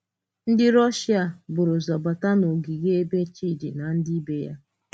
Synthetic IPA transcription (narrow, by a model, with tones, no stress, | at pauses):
n̩˦dɪ˦ɾɔ˦ʃi˦a˨bʊ˨ɾʊ˨zɔ˨ba˨ta˦no˨ɡi˨ɣe˦e˦be˦t͡ʃi˦˨di˨na˨n̩˦di˦i˦be˦ja̰˦